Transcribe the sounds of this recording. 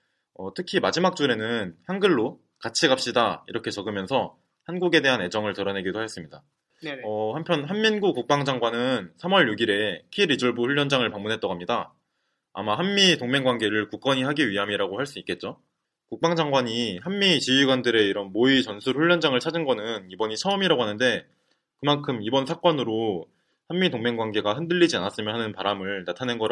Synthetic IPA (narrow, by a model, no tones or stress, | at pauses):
ʌtʰɯkʰimad͡ʑimak̚t͡ɕ͈uɾe̞nɯnçjaŋɡɯɭːo | kat͡ɕʰiɡap̚ɕ͈idaḭɾʌkʰe̞t͡ɕʌɡɯmjʌnsʰʌ | hanɡuɡe̞de̞ɦane̞d͡ʑʌŋɯɭtɯɾʌnɦe̞ɡidohaes͈ɯmɲida | ʌhampʰjʌnɦanminɡuk͈uk̚p͈aŋd͡ʑaŋɡwanɯnsʰamwʌɭjuɡiɾe̞kʰiɾid͡ʑʌɭbuɸuɭʎːjʌnd͡ʑaŋɯɭpaŋmunɦet͈ʌɡoɦamɲida | a̰maɦanmitoŋme̞ŋɡwanɡe̞ɾɯɭkuk͈̚ʌɲiɦaɡiɥiɦamiɾaɡohaɭs͈uik͈e̞t̚t͡ɕ͈o | kuk̚p͈aŋd͡ʑaŋɡwaɲihanmit͡ɕiɥiɡwandɯɾe̞iɾʌnmoit͡ɕʌnsʰuɾɸuɭːʌnd͡ʑaŋɯɭt͡ɕʰad͡ʑinɡʌnɯnibʌɲit͡ɕʰʌɯmiɾaɡoɦanɯnde̞ | kɯmankʰɯmibʌnsʰak͈ʌnɯɾo | hanːitoŋme̞ŋɡwaŋɡe̞ɡaɦɯndɯɭːid͡ʑianas͈ɯmjʌnɦanɯnpaɾamɯɭnatʰanenɡʌ